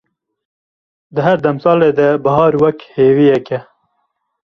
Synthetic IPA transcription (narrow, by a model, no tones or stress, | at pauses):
d̪əɦæɾd̪ɐmsɑːled̪əbɐhɑːɾwɐkheːwiɛkɛ